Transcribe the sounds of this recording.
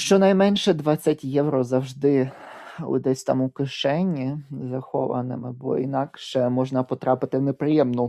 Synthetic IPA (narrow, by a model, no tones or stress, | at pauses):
ʃt͡ʃɔnɐjmɛnʲʃɛd̪ʋɑt͡sʲːɐtʲjɛwɾɔzɐwʒd̪ɪ | ʊ̰d̪ɛsʲt̪ɑ̰mukɪʃɛnʲːizɐxɔ̰ʋɐ̰nɪmɪbɔ̰ḭnɑkʃɛmɔʒnɐpɔt̪ɾɑpɪt̪ɪwnepɾɪjɛmnʊ